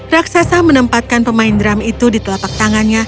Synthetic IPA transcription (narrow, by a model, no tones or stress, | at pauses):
raksasamənəmpat̪̚kanpəmaindɾamit̪udit̪əlapak̚t̪aŋanɲa